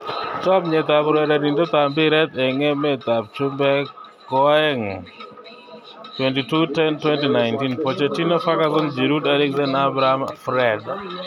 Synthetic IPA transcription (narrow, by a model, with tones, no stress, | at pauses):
t͡ʃɔ˦bɲe˨t̪a˨pɾɛ˨da˨di˨ndo˦t̪a˨mbɪ˦ɾɛ˦t̪ɛ˨ŋe˦me˨t̪a˨b̚t͡ʃʊ˦mbɛ˦ | kɔɛ˦ŋ | twɛ˨nti˨tu˦tɛ˦ntwɛ˦ntina˨jnti˦npo˨t͡ʃe˨ti˦nɔ˦fa˦ka˦zʊ˦nd͡ʒi˨ɾu˦daɾi˦kzɛ˦na˦bɾa˦mfɾɛd